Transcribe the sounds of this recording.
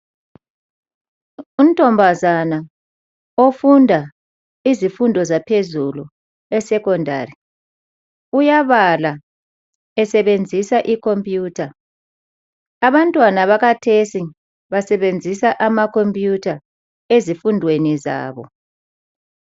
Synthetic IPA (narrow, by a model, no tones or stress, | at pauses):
um̩tʼɔmbʱazana | ofundʱa | izifundʱɔzapʰezulu | ɛsɛkʰɔndʱa̰ːri | ujaβala | ɛsɛβend͡zʱisaʔikʰompʼjuːtʰa | aβantʼwanaβaɣatʰesi | βasɛβend͡zʱisaʔamakʰompʼjutʰa | ezifundʱweniza̰ːβɔ̰